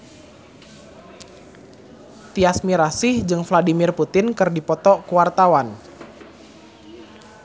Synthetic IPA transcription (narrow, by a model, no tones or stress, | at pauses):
t̪iasmiɾasɪhd͡ʒɨŋfladimɪrput̪ɪnkɨrdipɔt̪ɔkuwart̪awan